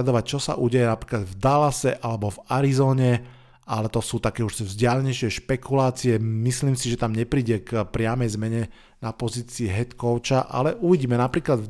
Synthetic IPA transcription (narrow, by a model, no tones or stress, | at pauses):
ad̪ɔʋac̚t͡ʃɔsa̰ʔuːɟɛjɛnapɾiːklad̪vd̪alasɛʔalɛbɔvaɾizɔːɲɛ | ʔalɛt̪ɔsuːt̪akɛːuʃvzɟɪalɛɲɛʃɪɛʃpɛkulaːt͡siɛmisliːmsiʒɛt̪amɲɛpɾiːɟɛkpɾɪamɛjzmɛɲɛ | napɔziːt͡siːɦɛt̪kɔʊt͡ʃaʔa̰lɛʔuʋiɟiːmɛnapɾiːklad̪v